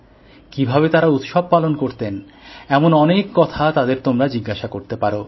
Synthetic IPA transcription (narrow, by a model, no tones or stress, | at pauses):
kibʱabet̪aɾaut̪ʃɔb̚palonkoɾt̪en | ɛmonɔnekːɔt̪ʰat̪ad̪eɾt̪omɾad͡ʑiɡːaʃakoɾt̪epaɾo